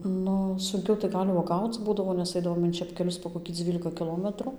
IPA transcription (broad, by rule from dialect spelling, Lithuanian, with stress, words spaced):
ˈnʊ sʊŋʲˈkʲɛʊ tɐɪ ˈɡɐlʲ uɔˈɡɐʊt͡s ˈbuːdɐʋoː nʲɛs ˈɐɪdɐʋoːm ɪn t͡ʃʲɛpʲkʲɛˈlʲʊs poː koːkʲiː ˈd͡zʲʋʲiːlʲɪkɐ kʲɪˈlˠoːmʲɛtrʊ